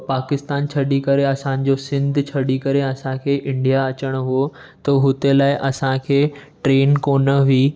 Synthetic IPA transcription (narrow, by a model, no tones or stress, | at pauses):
paːkɪst̪aːnt͡ɕʰɐɗikɐɾeɐsãnɪ̆d͡ʑosɪ̃nd̪ʱt͡ɕʰɐɗikɐɾeɐsãkʰeːʔɪ̃ɳɖijaɐt͡ɕəɽ̃̆ɦuo | t̪ɐɦʊt̪elaːɪʔɐsãkʰeːʈɾeːnkoːnəʋiː